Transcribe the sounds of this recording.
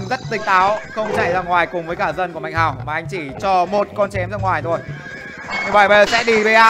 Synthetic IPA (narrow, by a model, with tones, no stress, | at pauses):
zə˦˥t̚t̪ï˨˩ŋ̚t̪aː˨˦wxə˧wŋ͡mt͡ɕa˧˩jzaː˧ŋwaː˨˩jkʊ˨˩ŋ͡mvəː˨˦jkaː˧˩zə˧nku˧˩ma˨jŋ̟ɦaː˨˩wmaː˨˩ʔa˧jŋ̟t͡ɕi˧˩t͡ɕɔ˧mo˨˩t̚kɔ˧nt͡ɕɛ˨˦mzaː˧˩ŋwaː˨˩jt̪ʰo˧j | ɲɨ˧˩ɓaː˧˩jɓsɛ̰˧˥ɗi˧˩ɓe˧˩ʔaː˧